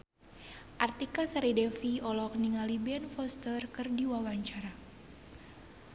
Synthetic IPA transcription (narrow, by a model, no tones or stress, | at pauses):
ʔart̪ikasaɾidɛfiɔlɔk̚niŋalibɛnfɔst̪ərkɨrdiwawaɲt͡ʃaɾa